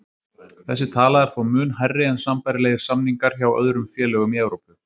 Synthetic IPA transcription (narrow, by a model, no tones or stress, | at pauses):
θɛsːɪt̪ʰaːlaðɛɾ̥θvawmʏːnɦajrːɪɛnsampajɾɪleːjɣɪɾ̥samniŋkaɾ̥çawœ̰ðɾʏmfjɛːlœːɣʏmiɛwɾowpʏ